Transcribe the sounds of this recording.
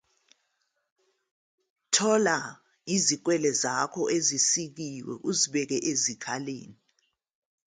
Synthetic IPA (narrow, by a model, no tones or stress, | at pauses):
tʰɔla | izik̬wɛlɛzakʰɔʔezisik̬iwɛ̰ʔuziɓɛk̬ɛʔezikʰalḛːni